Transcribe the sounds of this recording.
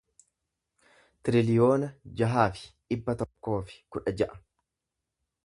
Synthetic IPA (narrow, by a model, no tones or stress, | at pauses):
t̪ɪɾɪlɪjo̞ːnɐd͡ʒɐɦaːfɪ̥ᶑɪbːɐt̪ɔkːo̞ːfɪ̥kʊᶑɐd͡ʒɐʔɐ̥